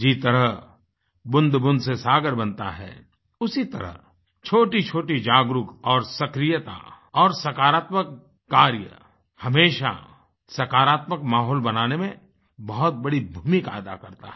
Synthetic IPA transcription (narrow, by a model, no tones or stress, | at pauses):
d͡ʒit̪əɾəɦ | bʊ̃nd̪bʊ̃nd̪sesaːɡəɾbɐ̃nt̪a̰ɦɛ̰ː | ʊsit̪ɐ̰ɾə̰ɦ | t͡ʃʰoːʈit͡ʃʰoːʈid͡ʒaːɡɾʊkɔːɾsɐkɾijət̪a̰ | ɔːɾsɐkaːɾaːt̪məkː | aːɾjə̰ | hɐmeːʃa̰ | sɐkaːɾaːt̪məkmaːɦɔːlbɐnaːnemẽ | bɐɦʊt̪̚bɐɽibʱuːmɪka̰ːd̪a̰kɐɾt̪a̰ɦɛ